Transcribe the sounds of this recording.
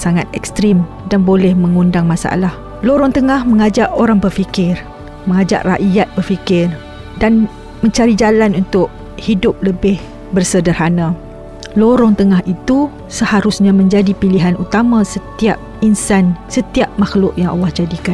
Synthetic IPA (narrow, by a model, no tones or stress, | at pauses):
saŋat̪̚ɛk̚st̪ɾim | danbolɛhmə̃ŋundaŋmasa̰ʔa̰lah | loɾɔŋt̪əŋahmə̃ŋad͡ʒaʔoɾaŋbərfikɪr | mə̃ŋad͡ʒa̰ʔra̰ʔijat̪̚bərfikɪr | dan | mə̃ɲt͡ʃaɾid͡ʒalanunt̪ʊʔ | hidʊp̚ləbɪh | bərsədərɦanã | loɾɔŋt̪əŋaɦit̪u | səhaɾusɲamə̃ɲd͡ʒadipiliɦanut̪amãsət̪iap̚insansət̪iap̚maxlʊʔjaŋa̰lːahd͡ʒadika